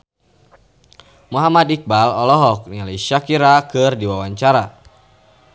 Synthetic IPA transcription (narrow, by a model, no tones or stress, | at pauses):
muɦamadik̚balɔlɔɦɔk̚nialiʃakiɾakɨrdiwawaɲt͡ʃaɾa